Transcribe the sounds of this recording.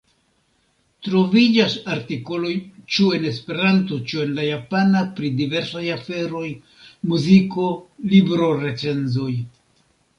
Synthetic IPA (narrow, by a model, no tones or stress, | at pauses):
tɾo̞vid͡ʒasaɾtiko̞lo̞jt͡ʃue̞ne̞spe̞ɾantot͡ʃue̞nlajapanapɾidive̞ɾsajafe̞ɾo̞j | muziko̞libɾo̞ɾe̞t͡se̞nzo̞j